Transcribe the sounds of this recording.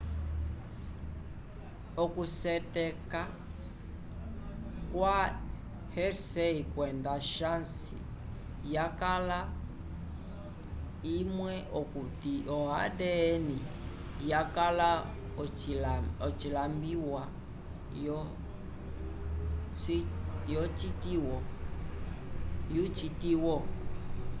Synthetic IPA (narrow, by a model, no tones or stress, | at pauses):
ɔkusɛtɛka | kwa | hɛɾsɛikwɛndaʃansḭ | jakala | imwɛʔɔkutiʔɔa̰dɛːni | jakala | ɔt͡ʃilambiwa | jɔ | ijɔt͡ʃitiwɔ | jut͡ʃitiwɔ